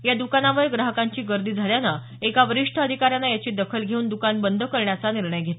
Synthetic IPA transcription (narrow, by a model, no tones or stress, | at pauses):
jad̪ukanaʋəɾɡɾaɦəkaɲt͡ɕiːɡəɾd̪iːd͡zʱaljana | ekaʋəɾiʂʈʰəəd̪ʱikaɾjanajat͡ɕiːd̪əkʰəlɡʱeuːnd̪ukanbənd̪ʱəkəɾɳjat͡saniɾɳəjɡʱet̪